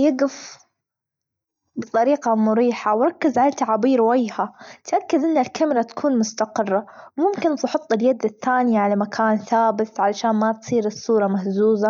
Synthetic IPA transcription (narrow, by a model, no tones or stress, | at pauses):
jaɡɪf | bɨt̪ˤɑɾiːqɑmʊɾiːħawɾˤɑkːɪzʕalat̪aʕabiːɾwajːhat̪ʔakːad̪ʔɪnːalkamɾˤɑt̪ḁkʰuːnmʊst̪aqɪrˤːawmʊmkɪnfʊħɑt̪ˤːɪljad̪ɪθːaːnɪjʕalamakʰaːnθaːbɪt̪ʕalaʃaːnmat̪sˤiːɾɨsˤːuːɾˤɑmahzuːza